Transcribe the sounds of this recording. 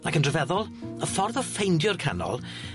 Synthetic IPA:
akʰəndrəvɛðɔlˠ | əfɔrðɔfejndjʊrkʰa̰nɔ̰lˠ

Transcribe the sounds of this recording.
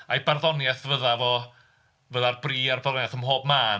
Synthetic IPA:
ajbarðɔnjɛθvəðavɔ | vəðarbriːarbaðɔnjaθəmɦoːbmaːn

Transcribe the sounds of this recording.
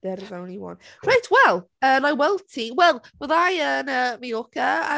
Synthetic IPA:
d̥ɛɾvawniwɔ̰nrajtʰwɛlˠ | əːnajwɛlˠtʰiwɛlˠvɔðajənəmijɔkʰaa

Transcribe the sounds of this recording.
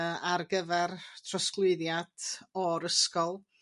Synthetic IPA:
arɡəvɛrtʰrɔsklˠɨɨðjad̥ɔɾəskɔlˠ

